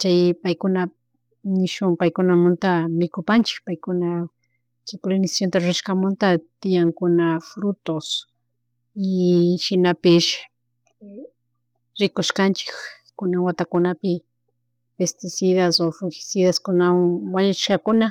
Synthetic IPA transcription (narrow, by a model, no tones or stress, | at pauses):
t͡ʃajpajkʊna | nɪʃʊmpajkʊnamʊnt̪amɪkʊpant͡ʃɪ̥kpajkʊna | t͡ʃajpolenɪsḁsjont̪aɾʊɾaʃkamʊnt̪at̪ɪjaŋkʊnafɾʊt̪os | ɪʃɪnapɪʃ | ɾɪkoʃkant͡ʃɪ̥k | kʊnaŋwat̪akʊnapɪ | pest̪ɪsɪðasofʊŋxɪ̥siðaskʊnawaɲat͡ʃɪʃkakʊna